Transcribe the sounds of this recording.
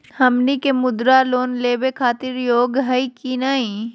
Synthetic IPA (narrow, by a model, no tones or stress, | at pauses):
hɐmnikemʊd̪ɾaloːnleːbekʰaːt̪ɪɾjoːɡɦəikinaːɦĩ